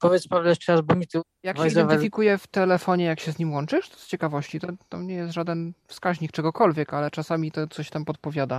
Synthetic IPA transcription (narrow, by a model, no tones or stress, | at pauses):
pɔvʲjɛt̪spavlɛʂt͡ʂɛɾazbuɲit̪ɨ | jakvɛjzizɛvfʲikujɛft̪ɛlɛfɔɲɛjakɕɛzɲimwɔnt͡ʂɘʂt̪ɔst͡ɕɛkavɔɕt͡ɕit̪ɔt̪amɲɛjɛst̪ʐad̪ɛnfskaʑɲikt͡ʂɛɡɔkɔlvʲjɛkalɛt͡ʂasamʲit̪ɔt̪sɔɕt̪ampɔt̪̚pɔvʲjad̪a